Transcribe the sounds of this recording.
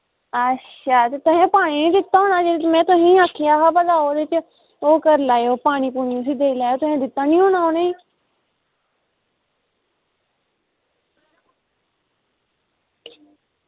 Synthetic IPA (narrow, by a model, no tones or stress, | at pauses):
əʃʰaːt̪eːt̪ʊɦẽːpaːɽ̃iːnĩːd̪ɪt̪ːaːɦoːnaːd͡ʒeɾmɛ̃ːt̪ʊɦẽːaːkʰːjaːɦaːbəd̪aːoːɾɪt͡ʃ | oːkəɾlaːjoːpaːɽ̃iːpuːniõsiːd̪eːlaːjoːt̪ʊɦẽːd̪ɪt̪ːaːnĩːoːñaːoːnaː